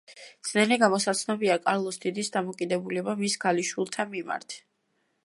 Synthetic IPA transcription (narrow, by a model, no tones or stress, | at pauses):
d̪z̥nɛlɛɡamɔsat̪sʰnɔbiakʼaɾlˠɔsd̪id̪isd̪amɔkʼid̪ɛbulɛbamisɡaliʃwilˠt̪ʰamima̰ɾt̪ʰ